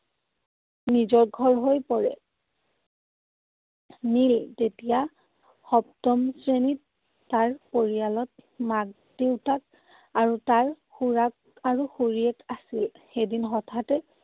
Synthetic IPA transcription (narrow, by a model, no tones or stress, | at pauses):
nizɔɹɡʱɔɹɦojpɔɹɛ̰ | niltetija | xɔp̚tɔmsɹenitː | aɹpoɹijalɔt̚maɡ̚deʊtʰak̚ | aɹutaɹ | xuɹak̚ | aɹuxuɹiɛkasil | xedinxɔtʰatɛ